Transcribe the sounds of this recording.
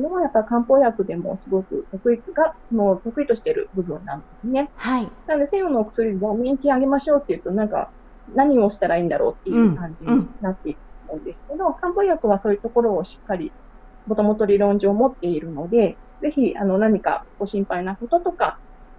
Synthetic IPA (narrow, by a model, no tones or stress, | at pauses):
sodemojapːakãmpo̞jakɯ̟d̪e̞mo̞̰sɨɡo̞kɯ̟̰t̪o̞kɯ̟ikɨɡasono̞t̪o̞kɯ̟it̪o̞ɕi̥t̪e̞ɾɯ̟̰bɯ̟bɯ̟̃nːãnod̪esɨne̞hainanod̪ese̞ɡo̞noːkɯ̥sɨɾʲiɡamʲĩŋkʲiaɡe̞maɕo̞ːt̪ːe̞jɯ̟t̪o̞nãŋka̰ | naɲ̟io̞ɕi̥t̪aɾaĩːnd̪aɾo̞̰ːt̪ːe̞jɯkãɲ̟d͡ʑiɲinat̪ːe̞iɾɯt̪oːmõ̞ːnd̪e̞sɨ̥ke̞d̪o̞kãmpo̞ːjakɯ̟β̞aso̞ːjɯ̟t̪o̞ko̞ɾo̞ːɕi̥kːaɾʲi | mo̞t̪o̞mo̞t̪o̞ɾʲiɾõ̞ɲ̟d͡ʑoːmo̞t̪ːe̞iɾɯ̟no̞d̪e̞ | ze̞çiano̞naɲ̟ika̰kɡo̞ɕĩmpainako̞t̪o̞t̪o̞ka